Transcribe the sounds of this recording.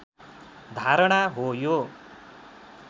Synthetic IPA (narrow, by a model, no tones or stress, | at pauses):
d̪ʱaɾʌɽ̃aɦojo